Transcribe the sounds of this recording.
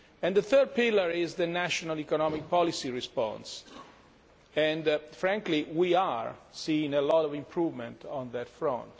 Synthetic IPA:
ɛ̃ndðəθɜd̚pɪləɹɪzðənæʃɔnalikɔnɔmik̚pɔlisiɹispɔ̰̃ns | ɛ̃ndfɾæ̃ŋkliwiaɹsĩːŋelɔɾɔvĩmpʰɹuːvmɛ̃ntɔ̃nðətfɹɔ̰̃nt

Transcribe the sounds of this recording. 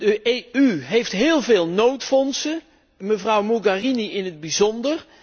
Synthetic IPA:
dəʔeːyɦejftɦɪːlˠveːlˠnowtfɔnsə | məvrʌwmuɡariniɪnɦəd̚bizɔndər

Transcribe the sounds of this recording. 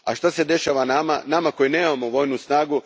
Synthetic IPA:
a̰ʃt̪ase̞d̪e̞ʃaʋanama̰namako̞jine̞ːmamoʋo̞jnusnaːɡu

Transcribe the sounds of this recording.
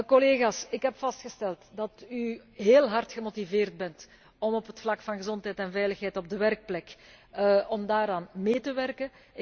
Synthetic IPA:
kɔleːɣaːsɪkɦɛpfɑstxəstɛlˠtdɑtyɦeːlˠɦɑrtxəmotiveːrd̚bɛnt | ɔmɔpɦətflɑkfɑnɣəzɔntɦɛjtɛnvɛjləxɦɛjtɔb̚dəʋɛrk̚plɛk | ɔmdaːɾaːnmeːtəʋɛrkə

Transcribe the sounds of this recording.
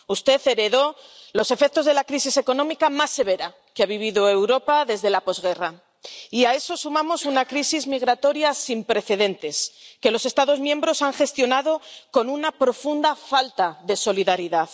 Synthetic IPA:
ust̪e̞θe̞ɾe̞ðo̞lo̞se̞fe̞k̚t̪o̞zðelakɾisise̞ko̞nõ̞mikamasːe̞β̞e̞ɾa | keaβ̞iβ̞iðo̞ewɾo̞paðe̞zðe̞lapo̞zɣe̞ra | iae̞so̞sumãmo̞sunakɾisizmiɣɾat̪o̞ɾjasimpɾe̞θe̞ðe̞nt̪e̞ske̞lose̞st̪aðo̞zmjembɾo̞saŋxe̞st̪jo̞naðo̞ko̞nunapɾo̞fund̪afalt̪aðe̞so̞liðaɾiðað

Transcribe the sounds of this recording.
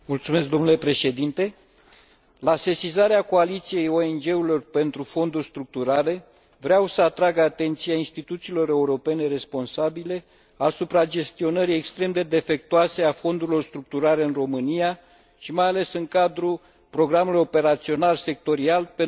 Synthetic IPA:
mult̪sume̞s̬k̚d̪o̞nulepɾe̞ʃe̞d̪int̪e̞ | lase̞sizaɾeako̞alit̪sije̞joe̞nd͡ʒe̞uɾilo̞rpe̞nt̪ɾufo̞nd̪urʲst̪ɾuk̚t̪uɾale̞ | vɾeawsəat̪ɾaɡat̪e̞nt̪sijainst̪it̪ut̪siːlo̞ɾe̞uɾo̞pe̞ne̞ɾe̞spo̞nsabile̞ | asupɾad͡ʒe̞st̪io̞nəɾijekst̪ɾe̞md̪e̞d̪e̞fe̞k̚t̪uase̞afo̞nd̪uɾilo̞rst̪ɾuk̚t̪uɾaɾe̞ɨnro̞mɨnija | ʃimajale̞sɨŋkad̪ɾu | pɾo̞ɡɾamulujo̞pe̞ɾat̪sio̞nalse̞k̚t̪o̞ɾialpe

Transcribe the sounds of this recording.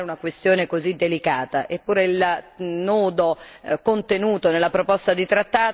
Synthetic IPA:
eunakwest̪joːnekozid̪ːelikaːt̪aʔepːuːɾeilnuːd̪okont̪enuːt̪onelːapɾopɔst̪ad̪it̪ɾat̪ːaː

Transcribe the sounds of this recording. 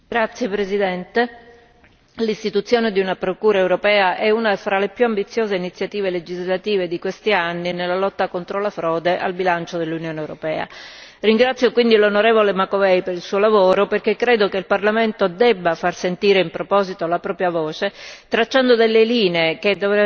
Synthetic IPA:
ɡɾat̪sːjepɾezid̪ɛnt̪e | list̪it̪ut̪sːjoːned̪iunapɾokuːɾaewɾopɛːaʔɛunafɾalepjuambit̪sːjoːzeinit̪sːjat̪iːveled͡ʒizlat̪iːved̪ikwest̪ianːinelːalɔt̪ːakont̪ɾolafɾɔːd̪eʔa̰lbilant͡ʃod̪elːunjoːnewɾopɛːa̰riŋɡɾat̪sjokwind̪ilonoɾeːvolemakovɛjpeɾilsuːolavoːɾoperkekːɾeːd̪okeilparlament̪od̪ɛbːafarsent̪iːɾeimpɾopɔːzit̪olapɾɔːpɾjavoːt͡ʃet̪ɾat͡ʃːand̪od̪elːeliːneeked̪ovɛ

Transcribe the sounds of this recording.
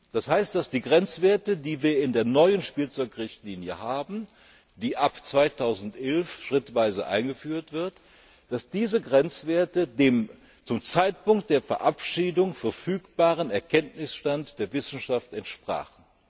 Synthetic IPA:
d̥ashaɪstd̥asd̥iːɡʁɛnt͡sv̥eːɐtədiːviːɐɪndeːɐnɔʏənʃpiːlt͡sɔʏkʁɪçtliːnjəhaːbm̩ | d̥iːʔapt͡sv̥aɪtʰaʊzn̩tʔɛlfʃʁ̥ɪtv̥aɪzəʔa̰ɪnɡəfyːɐtv̥ɪɐt | d̥asd̥iːzəɡʁɛnt͡sv̥eːɐtədeːm | t͡sʊmt͡saɪtpʊŋkt̚d̥eːɐfɛɐʔapʃiːdʊŋfɛɐfyːkb̥aːʁənɛɐkʰɛntnɪsʃtantd̥eːɐvɪsn̩ʃaftɛntʃpʁ̥a̰ːχn̩

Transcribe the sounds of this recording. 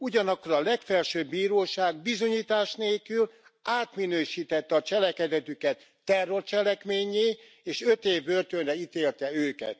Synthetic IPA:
uɟɒnɒkːoɾɒlɛkfɛlʃøːbːiːɾoːʃaːɡ̚bizo̞ɲiːt̪aːʃneːlkyl | aːt̪minøːʃiːt̪ɛt̪ːɛɒt͡ʃɛlɛkɛd̪ɛt̪ykɛt̪ːɛrːo̞rt͡ʃɛlɛkmeːɲeː | eːʃøt̪eːvːørt̪ønrɛit̪eːlt̪ɛøːkɛ̰t̪

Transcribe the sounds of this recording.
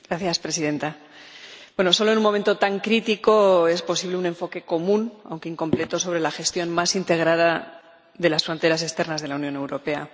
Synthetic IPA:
ɡɾaθjaspɾe̞siðe̞nt̪a | bwe̞no̞so̞loe̞nũmo̞me̞nt̪ot̪aŋkɾit̪iko̞e̞spo̞siβle̞une̞ɱfo̞ke̞ko̞mũna̰wŋke̞iŋko̞mple̞t̪o̞so̞β̞ɾe̞laxe̞st̪jo̞nmasint̪e̞ɣ̞ɾað̞a | ðe̞lasfɾo̞nt̪e̞ɾasest̪e̞ɾnazðelaunjo̞ne̞wɾo̞pe̞a̰

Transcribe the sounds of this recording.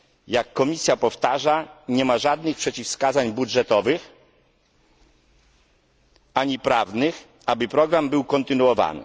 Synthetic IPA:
jakːɔmʲisʲjapɔft̪aʐaɲɛmaʐad̪̚nɘxpʂɛt͡ɕifskazaɲbudʐɛt̪ɔvɘx | aɲipɾavnɘx | abɘpɾɔɡɾambɘwkɔnt̪ɘnuwɔva̰nɘ̰

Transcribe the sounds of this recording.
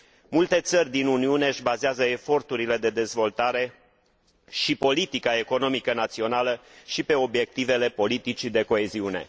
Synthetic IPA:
mult̪e̞t̪sərʲd̪inuniune̞ɨʃbazeazəefo̞rt̪uɾile̞d̪e̞d̪e̞zvo̞lt̪aɾe̞ | ʃipo̞lit̪ikae̞ko̞no̞mikənat̪sio̞naləʃipe̞o̞bje̞k̚t̪ive̞le̞po̞lit̪it͡ʃid̪e̞ko̞e̞ziune̞̰

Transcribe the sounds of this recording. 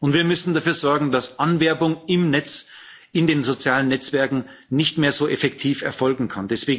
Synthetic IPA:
ʊntv̥iːɐmʏsn̩dafyːɐzɔɐɡŋ̩dasʔanvɛɐbʊŋɪmnɛt͡s | ʔɪndeːnzot͡sjaːlənːɛt͡sv̥ɛɐkŋ̩ | nɪçtmeːɐzoːʔɛfɛktʰiːfɛ̰ɐfɔlɡŋ̩kʰandɛsv̥eːɡ

